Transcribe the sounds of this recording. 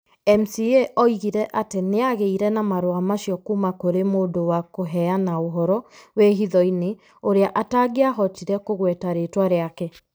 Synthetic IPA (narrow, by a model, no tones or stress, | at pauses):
ɛm̩sieʔɔiɣiɾɛʔateneaɣeiɾɛnamaɾwamaʃiɔkumakoɾemoːdowakoɦɛanaoɦɔɾɔweɦiðɔine | oɾeaʔataɡeaɦɔtiɾɛkoɣwɛtaɾetwaɾeakɛ